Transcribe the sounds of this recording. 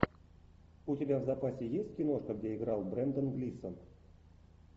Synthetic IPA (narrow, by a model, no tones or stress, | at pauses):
utʲebʲavzapasʲejesʲtʲkʲinoʂkəɡdʲeiɡralˠbrʲɛnd̪ənɡlʲisən